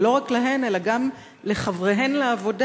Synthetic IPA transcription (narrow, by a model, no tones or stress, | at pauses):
lo̞ʁaklaɦe̞ne̞laɡam | le̞χavʁeɦenleavo̞d